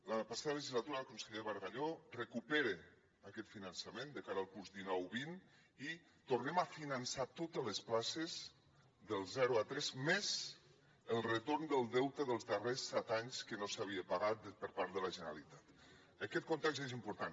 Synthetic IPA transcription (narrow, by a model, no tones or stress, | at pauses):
ləpasaðələʒizlat̪uɾaəkunsəʎeɾβəɾɣaʎorəkupeɾe | akɛt̪finənsəmend̪əkaɾəlˠkuɾzd̪inɔwβin | i | t̪urnɛmafinənsat̪ot̪ələsplasez | ðəlˠzɛɾuat̪ɾɛzmez | əlˠrət̪oɾnd̪əlˠd̪ɛwt̪əðəlˠzðəresːɛt̪aɲskənosaβiəpaɣat̪̚pəɾpaɾt̪ðələʒənəɾa̰lit̪at̪ | əkɛt̪̚kunt̪ɛkzez̬impuɾt̪an